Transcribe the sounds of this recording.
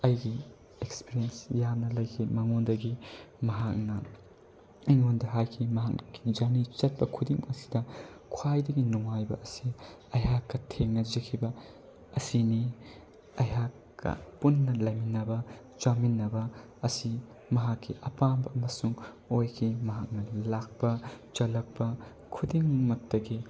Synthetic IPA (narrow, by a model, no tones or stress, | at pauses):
ɐjɡi | ekspiɾiensjamnɐlɐjkʰimɐŋondɐɡimɐɦak̚nɐ | eŋondɐɦajkʰimɐɦak̚ːid͡ʒanit͡ʃɐt̚pɐkʰudiŋɐsi̥dɐkʰwajdɐɡinuŋajbɐ̰ʔɐsi | ɐjɦakːɐtʰeŋnɐd͡ʒekʰibɐ | ɐsini | ɐjɦakː | ɐ̰punːɐlɐjminːɐbɐ | t͡ʃaminːɐbɐ | ɐsi | mɐɦakʰːiʔɐpambɐʔɐmɐsuŋ | ojkʰimɐɦak̚nɐlak̚pɐt͡ʃɐlɐk̚pɐ | kʰudiŋmɐk̚tɐɡi